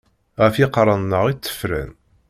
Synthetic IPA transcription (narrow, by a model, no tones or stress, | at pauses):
ʁæfiqɾˤənːəʁit͡sːə̥fɾæ̰n